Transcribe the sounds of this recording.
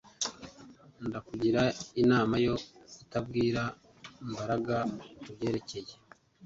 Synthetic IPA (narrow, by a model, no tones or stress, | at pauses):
ndakuɟiɾainaːmajo̞itabɡiːɾa | mbaɾaɡaubɟe̞ːɾe̞ce̞je̞